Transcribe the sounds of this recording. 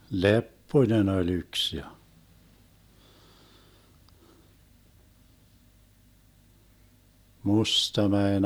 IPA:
lepːoĭnen olʲ yks jɑ mustɑmæen

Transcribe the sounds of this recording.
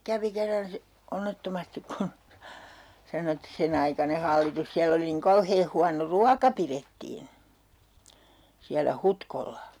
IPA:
kæʋi kerːɑn si onːetːomɑstik kun sɑno et sen ɑikɑne hɑlːitus siælː oli niŋ kɑuheː huɑno ruɑkɑ piretːiːn̞ siælːæ hutkolːɑ

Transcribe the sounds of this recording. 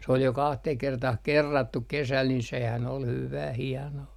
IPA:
s ol jo kɑhteh kertɑh kerːɑtːuk kesæl nin sehæn ol hyʋæː hiɑnoː

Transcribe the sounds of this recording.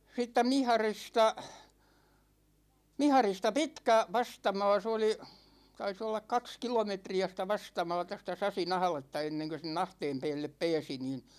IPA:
siːtːæ mihɑristɑ mihɑristɑ pitkæ ʋɑstɑmɑ̝ː se oli tɑis olːɑk kɑks kilometriæ sitæ ʋɑstɑmɑ̝ːtɑ sitæ sɑsin ɑhɑ̆letːɑ enːeŋkø sen ɑhteːm peːlːep peːsi niːn

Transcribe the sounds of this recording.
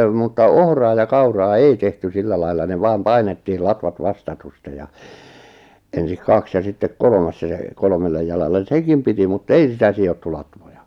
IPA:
mutːɑ ohrɑː jɑ kɑurɑː ei tehty silːæ lɑilːɑ ne ʋɑːm pɑinetːiːl lɑtʋɑt ʋɑstɑtustej jɑ ensik kɑks jɑ ʔsitːek kolŏmɑs jɑ se kolŏmelːej jɑlɑlːen̞ sekim piti mutː ei sitæ siotːu lɑtʋojɑ

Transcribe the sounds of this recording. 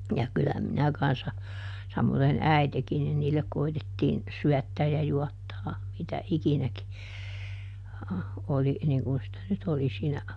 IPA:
jɑ kylːæ minæ kɑnsːɑ sɑmoðen æitekin nin niːlːek koitetːiːn syætːæːj jɑ juɑtːɑː mitæ ikinæki oli niːŋ kun sĭtæ nyt oli siːnæ

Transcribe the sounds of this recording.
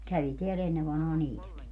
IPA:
kæʋi teæl enːe ʋɑnhɑː niːtæki

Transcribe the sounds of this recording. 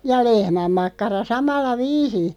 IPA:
jɑ lehmæmːɑkːɑrɑ sɑmɑlːɑ ʋiːsĩː

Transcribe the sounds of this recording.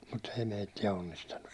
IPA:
mutː ei meitːiæ onːistɑnːus

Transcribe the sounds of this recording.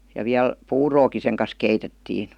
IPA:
jɑ ʋiæl puːroːki seŋ kɑs keitetːiːn̞

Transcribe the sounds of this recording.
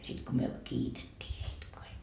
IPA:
sit ko myø kiːtetːiː heit ko hei

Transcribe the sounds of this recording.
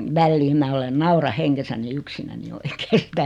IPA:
ʋælːiːm mæ olen nɑurɑ heŋɡ̊esæni yksinæni oikeː sitæ

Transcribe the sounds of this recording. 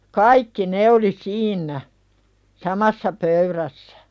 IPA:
kɑikːi ne oli siːnˑæ sɑmɑsːɑ pøyɾæsːæ̥

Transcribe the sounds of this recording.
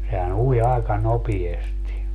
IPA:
sehæn ui ɑˑikɑ nopiesti

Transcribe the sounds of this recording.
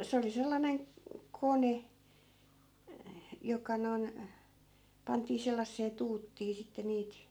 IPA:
se oli selːɑneŋ kone jokɑ noi̯n pɑntiː selːɑsːeː tuːtːiː sitːe niːt

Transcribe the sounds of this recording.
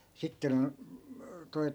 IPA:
sitːen toi̯

